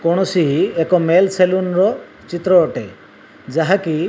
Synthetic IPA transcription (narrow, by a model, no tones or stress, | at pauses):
kɔɽ̃ɔsiɦiekɔmelselunɾɔ | t͡ʃit̪ɾɔːʈe | d͡ʒaɦaki